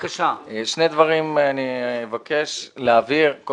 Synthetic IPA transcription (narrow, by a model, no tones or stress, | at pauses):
kaʃaʃne̞d̪vaʁimanimevake̞ʃleaviʁk